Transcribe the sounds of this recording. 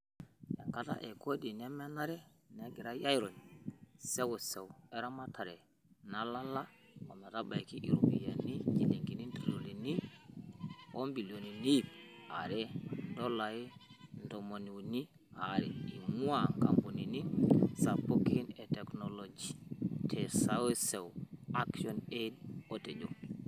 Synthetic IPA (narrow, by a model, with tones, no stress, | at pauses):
ja̰˨ŋka˦ta̰˦ʔe˨ko˦di˨ne˦me˦na˦ɾɛ˦ne˨ɡi˨ɾa˦ja˦jɾo˨nse˦wo˨se˨we˦ɾa˦ma˦ta˨ɾe˨ | na˦la˦la˦mo˨ma˨ta˦ba˨iki˦ʔḭ˨ɾu˨bḭ˨ja̰˨ni˦ɟi˨li˨ŋɡi˨ni˦ntɾi˨lo˨li˨ni˦ | o˦mbi˨lo˨ni˨ni˦˨b̚a̰˨ɾe˦ndo˦la˨je˦ndo˨mo˨ni˨ni˦ | aɾḭ˨i˨ŋu˦aka˨mbu˨ni˨ni˦nsa˨po˦ki˦ne˨te˨kno˨lo˨d͡ʒitʰe˨sa˦we˦se˨wa˦kʃo˦ne˦do˦te˨d͡ʒo˦